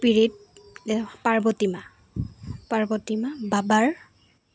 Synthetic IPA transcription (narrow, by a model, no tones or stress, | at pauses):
piɹit̚ | paɹbɔtima | paɹbɔtimababaɹ